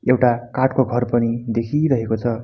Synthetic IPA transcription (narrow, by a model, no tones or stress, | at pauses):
ewʈakaʈkoɡʱʌrpʌnid̪ekʰiɾʌɦekot͡sʰʌ